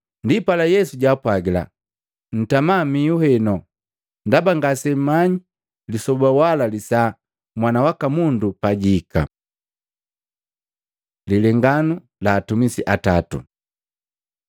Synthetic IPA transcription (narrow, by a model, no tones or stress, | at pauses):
ndipalajɛsuɟaːpwaɡila̰ | n̩tamamijuhɛnɔ | ndabaŋɡasɛmaɲi | lisɔbawalalisa | mwanawakamundupaɟika̰ | lilɛŋɡanu | laːtumisiʔatatṵ